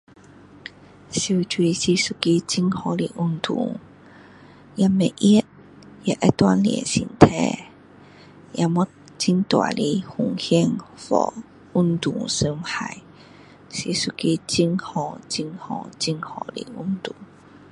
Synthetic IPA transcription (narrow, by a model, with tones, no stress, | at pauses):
si˧wt͡ɕwi˧si˧su˧ki˧t͡ɕi˧˥ŋhɔ˧˩li˧˨˩ʔu˥nt̪ʰṵ˨˩˦ | ja˧mɛ˧˨ʔʔi˦˥ət̚ | ja˧ʔɛ̰˦t̪wa˧˥nliɛ̰˨nsḭ˨˩nt̪ʰɛ˧˩ | ja˧mɔ˧˥ | t͡si˧ŋt̪wa̰˨˩li˧˦hu˧˨ŋhi˥˧əŋfɔ̰˨˩ | u˦˥nt̪u˨˩ŋsə˧mha˨˩˨j | si˧˩su˧ki˧t͡ɕi˧˥ŋhɔ˨˩t͡ɕi˧ŋhɔ˧˨˩t͡si˧˥ŋhɔ˧˨˩lḭ˧˩ʔu˥nt̪u˨˩˦ŋ